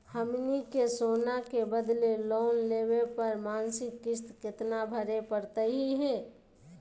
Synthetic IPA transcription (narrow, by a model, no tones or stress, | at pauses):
həmnikesoːnakebəd̪leloːnleːwepəɾmaːnsɪkːɪst̪kɪt̪nabʱəɾepəɾt̪əɦiɦɛ̃ː